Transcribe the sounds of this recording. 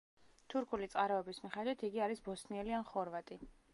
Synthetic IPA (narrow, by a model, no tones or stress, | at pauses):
t̪ʰuɾkʰulit̪sʼqʼaɾɔɛbismiχɛd̪wit̪ʰiɡiaɾisbɔsniɛlianχɔɾvat̪ʼi